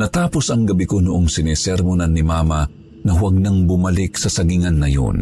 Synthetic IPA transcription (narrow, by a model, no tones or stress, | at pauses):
nɐt̪aːposʔɐŋɡɐbikonʊʔoŋsɪnɛsɛɾmʊnanːɪmaːma | nɐhwaɡ̚nɐŋbʊmɐlɪk̚sɐsɐɡiŋɐnːɐjo̰n